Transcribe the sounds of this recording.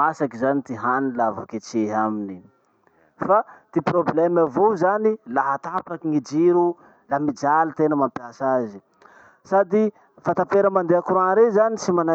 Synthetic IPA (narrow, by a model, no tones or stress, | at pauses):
asakizanit̪iɦanilavo̰ket͡seɦamini | fat̪iproblɛmavozanilaɦat̪apakiŋid͡ʒiɾu | lamid͡ʒalit̪enəmampiasazi | sad̪i | fat̪apeɾəmand̪eakɾwanɾezanisimana